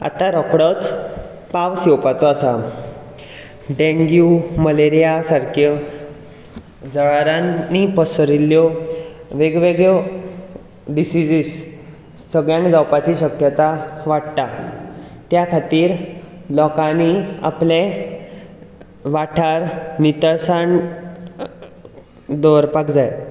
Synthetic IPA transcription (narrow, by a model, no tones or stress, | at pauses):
a̰t̪aɾɔkɽət̪ | paʋsɛwpat͡sɔasa | ɖẽŋɡjuməleɾijasaɾkʰjə | d͡zəɭaɾanːipəsəɾiljɔʋeɡʋeɡɭə | ɖisid͡ʑiːs | səɡɭjãŋkd͡zawpat͡ɕiːɕəkjət̪aʋaɽt̪a | t̪jakʰat̪iːɾlɔkãnia̰plẽ | ʋaʈʰaɾnit̪əɾsaɳ | d̪ɔɾpakd͡zaj